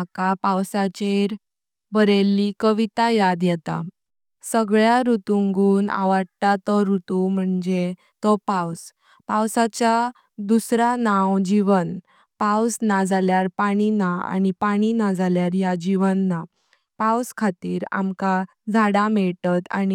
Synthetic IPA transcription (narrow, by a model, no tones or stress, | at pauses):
kapawsat͡ɕeɾ | bəɾelːikəʋit̪ajad̪jɛt̪a̰ | səɡɭjaɾut̪uŋɡuːna̰ʋəɽt̪at̪ɔɾut̪um̤əɳd͡ze | t̪ɔpaws | pawsat͡ɕa | d̪usɾanawd͡ʑiʋən | pawsnad͡zʱaljaɾpaɽ̃inaa̰ñipaɽ̃inad͡zʱaljaɾjad͡ʑiʋənːa | pawskʰat̪iːɾa̰mka | d͡zʱaɽamɛɭt̪at̪a̰ni